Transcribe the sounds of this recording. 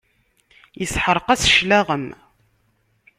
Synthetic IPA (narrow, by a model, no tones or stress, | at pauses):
jəsħəɾˤqæsʃlæʁəm